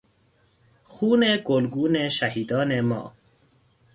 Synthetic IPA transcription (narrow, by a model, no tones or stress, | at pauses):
xuːneɡolɡuːneʃahiːd̪ɒːnemɒ̰ː